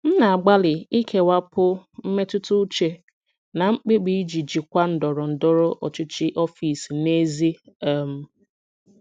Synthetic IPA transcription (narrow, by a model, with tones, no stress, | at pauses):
n̩˦na˨a˨ɡ͡ba˦lɪ˨i˦kʰe˦wa˦pʊ˦m̩˦me˦tʊ˦tʊ˦t͡ʃe˦ | na˨ŋ͡m̩˦k͡pi˦ɡ͡bi˨i˦d͡ʒi˨d͡ʒi˨kʷa˦n̩˨dɔ˨ɾɔ˨n̩˨dɔ˦ɾɔ˦ʔɔ˨t͡ʃɪ˦t͡ʃi˦ʔɔ˦fi˨sne˦zi˦a˦˨m̩˨